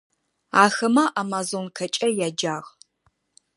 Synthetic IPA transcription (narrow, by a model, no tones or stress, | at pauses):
aːxɐmɐʔamazonkʰɐt͡ʃʼɐjaːd͡ʒaːʁ